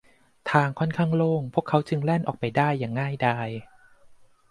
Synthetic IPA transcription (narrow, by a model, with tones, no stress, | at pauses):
t̪ʰaː˧ŋkʰɔ˥˩nkʰaː˥˩ŋloː˥˩ŋpʰu˥˩əkʰːa˦˥wt͡ɕɯ˧ŋlɛ˥˩nʔɔː˨˩k̚pa˧˩jdaː˥˩jːaː˨˩ŋːaː˥˩jdaː˧˩j